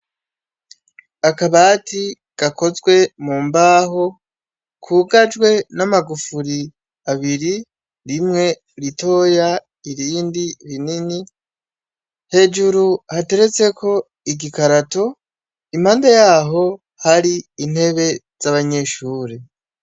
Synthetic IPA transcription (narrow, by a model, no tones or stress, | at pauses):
akaβaːtʰi | ɡ̥ako̞zɡwe̞muːmbaːɦo̞ | kʰuːɡad͡ʒɡwe̞namaɡufuɾi | aβiɾi | ɾimŋe̞ | ɾito̞ːja | iɾiːndiβinini | he̞ːd͡ʒuɾuhate̞ɾe̞t͡se̞kʰo̞ | iɡikaɾato̞ | im̥haːndajaːɦo̞ | haɾiːn̥he̞βe̞z̥aβaɲe̞ʃuːɾe